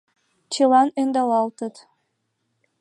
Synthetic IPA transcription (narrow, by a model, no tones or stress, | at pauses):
t͡ɕelɑnend̪ɑlɑlt̪ə̆t̪